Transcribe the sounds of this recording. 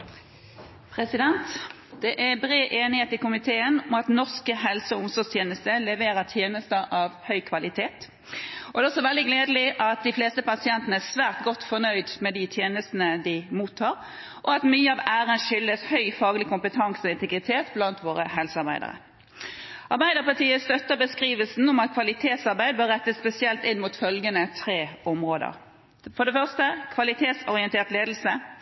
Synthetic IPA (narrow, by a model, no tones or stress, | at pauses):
pʰʁɛsɪd̪ɛnt̪ | d̪̥ɛʔæbʁeːʔeːnɪheːt̪ɪkʊmɪt̪ʰeːənʊmɑt̪nɔʁskəɦɛlsəɔʊmsɔst̪ʰjeːnəst̪əlɛʋeːɾət̪ʰjeːnəst̪əʔɑʋhœʏkʰʋɑlɪt̪ʰeːt̪ | ɔd̪ɛːɔsːɔʋɛld̪ɪɡleːd̪lɪʔɑt̪̚d̪ɪfleːst̪əpɑsɪɛnt̪ənəæsʋæːʁt̪ɡɔt̪ːfɔʁnœʏd̪mɛd̪ɪt̪ʰjeːnəst̪n̩əd̪ɪmuːt̪ʰːɑːʁ | ʔɔɑt̪myːəɑʋæːɾənʂʏld̪əshœʏfɑːɡəlɪkʊmpət̪ʰɑŋsɔɪnt̪ʰɛɡʁɪt̪ʰeːt̪blɑnt̪ʋoːɾəɦɛlsɑʁbæ̰ɪd̪ə̰ʁə̰ | ʔɑʁbæɪd̪əʁpɑʁt̪iːəst̪œt̪ːəbəskʁiːʋəlsn̩ʊmɑt̪̚kʰʋɑlɪt̪ʰeːt̪sɑʁbæɪd̪̚bøːʁɾːɛt̪ːəsspɛsɪɛlt̪ɪnmuːt̪fœlɡənət̪ʰʁeːɔmʁoːd̪ə̰ʁ | fɔd̪ɛfœʁst̪əkʰʋɑlɪt̪ʰeːt̪sɔɾɪɛnt̪ʰeːʁt̪leːd̪l̩sə